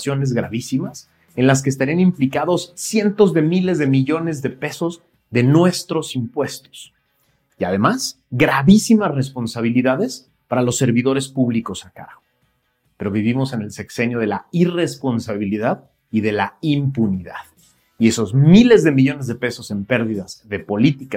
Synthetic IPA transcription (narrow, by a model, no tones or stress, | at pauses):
sjo̞ne̞zɣɾa̰β̞isimas | e̞nlas̬keːst̪aɾianĩmplikaðo̞sːje̞nt̪o̞zðe̞mile̞zðe̞miʝo̞ne̞zðe̞pe̞so̞z | ðe̞nwe̞st̪ɾo̞simpwe̞st̪o̥s | ia̰ð̞e̞mas | ɡɾaβisimasre̞spo̞nsaβ̞iliðaðe̞s | paɾalo̞sːe̞ɾβiðo̞ɾe̞spuβliko̞saka̰ɾɣo | pe̞ɾo̞β̞iβimo̞se̞ne̞lse̞kse̞njo̞ð̞e̞laire̞spo̞nsaβiliðað | iðe̞laimpuniða̰ð | ie̞so̞zmile̞zðe̞miʝo̞ne̞zðe̞pe̞so̞se̞mpe̞ɾðiðazðe̞po̞lit̪ika